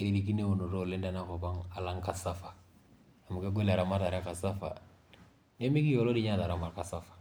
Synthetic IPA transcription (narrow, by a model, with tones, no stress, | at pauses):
i˨li˨di˦k̬i˦ne˦o˨no˨do˦˨lẽ˦da˦na˦kɔ˨bã˦ŋa˨lã˦ŋ˦ka˨sa˦fḁ˨ | a˨mũ˨kɛ˦ɡo˦la˨ɾa˨ma˦ɾta˨ɾa˦ka˨sa˦fa̰˨ | ne˦mi˦ki˦o˦lo˦di˦ɲa˦˨la˨ɾa˨ma˨ɾka˨sa˦fḁ˨